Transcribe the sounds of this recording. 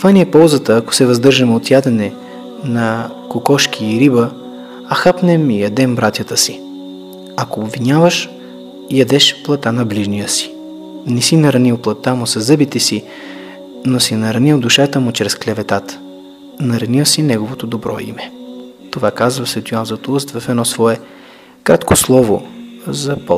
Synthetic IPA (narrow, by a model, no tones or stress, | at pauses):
tt̪ovaniɛpɔlˠzət̪əːko̥sɛvɐzd̪ɤɾʒəmɛot̪jad̪ɛnɛ | nɐ | kokɔʃkʲiːɾibə | ɐxapnɛmijɐd̪ɛmbɾat̪jət̪əsi | ɐkoːbvinʲavəʃ | ijɐd̪ɛʃplˠɐt̪anɐbliʒnijəsi̥ | nɛsinɐɾɐnilˠplˠɐt̪ːamʊsɐzɤbit̪ɛsi | nosinɐɾɐnilˠd̪uʃat̪əmʊt͡ʃɾɛsklɛvɛt̪at̪ | nɐɾɐnilˠsinɛɡovot̪od̪obɾɔ̰ḭmɛ | t̪ovakazvəsvɛt̪juanzɐt̪oust̪vɐfɛd̪nɔsvɔɛ | kɾat̪koslˠɔvo̰zɐpɔ